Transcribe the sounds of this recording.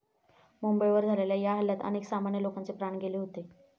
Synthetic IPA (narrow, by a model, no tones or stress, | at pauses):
mumbəjʋəɾd͡zʱaleljajaɦəljat̪ə̰neksamaɳjəlokant͡sepɾaɳɡeleɦot̪e